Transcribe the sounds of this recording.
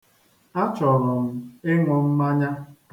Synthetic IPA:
a˦t͡ʃɔ˨ɾɔ˨m̩˨e˦ŋɔ˨m̩˦ma˦ɲa˦

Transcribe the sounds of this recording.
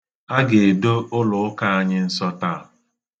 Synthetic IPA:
a˦ɡe˨e˨do˦ʊ˦lʊ˨ʊ˦ka˦a˦ɲɪ˦n̩˦sɔ˦ta˦˨

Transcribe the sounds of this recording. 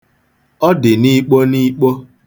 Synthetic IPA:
ɔ˦dɪ˨ni˦k͡po˦ni˦k͡po˦

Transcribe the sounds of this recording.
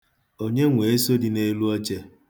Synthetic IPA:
o˦ɲe˦ŋʷe˨e˦so˦di˨ne˦lu˦ɔ˦t͡ʃe˦

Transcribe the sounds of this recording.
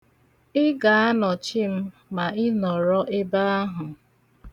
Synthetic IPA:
ɪ˦ɡa˨a˦nɔ˨t͡ʃɪ˦m̩˦ | ma˨ɪ˦nɔ˨ɾɔ˦ʔɪ˦ba˦a˦ɦʊ˨

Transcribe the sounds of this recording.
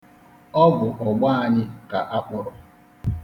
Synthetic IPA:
ɔ˦ɡʊ˨ʔɔ˨ɡ͡ba˦a˨ɲɪ˦ka˨ʔa˦k͡pʊ˨ɾɔ˨

